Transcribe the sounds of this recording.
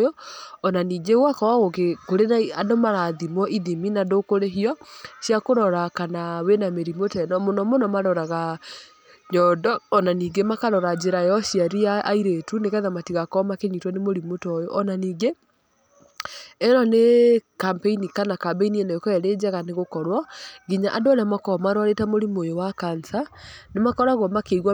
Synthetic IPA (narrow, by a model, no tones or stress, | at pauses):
jɔɔnaniːɡeɣwakɔɣokekoɾenaiadomaɾaðimwɔʔiðiminadokoɾeɦiɔɕjakoɾɔɾakanawenameɾimotɛnɔmonɔmonɔmaɾɔɾaɣa | ɲɔdɔːnaniːɡemakaɾɔɾad͡ʒeɾajɔɕjaɾiaːiɾetunekɛðamatiɣakɔmakeɲitwanemoɾimotɔjɔʔɔnaniːɡe | ɛɾɔnekampeinikanakabeinienekɔɛɾed͡ʑɛɣaneɣokɔɾwɔɡiɲaʔadoaɾamakɔmaɾowaɾetamoɾimojowakansanemakɔɾaɣɔmakeiɣwa